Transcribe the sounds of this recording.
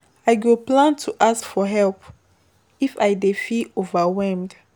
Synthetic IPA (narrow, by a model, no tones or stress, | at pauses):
ajɡoplãntʰuʔaskfɔɦɛlp | ifajdefiovawɛlmd